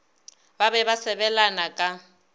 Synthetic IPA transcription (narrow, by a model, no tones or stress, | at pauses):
babɛβasɛβɛlanakʼa